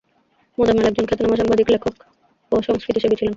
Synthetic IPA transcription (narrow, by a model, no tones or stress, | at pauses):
mod̪ameɾɛkɡ̚d͡ʑonkʰet̪ːonamaʃɔŋbad̪iklekʰːok | oʃɔŋskɾit̪ieʃebet͡ɕʰilen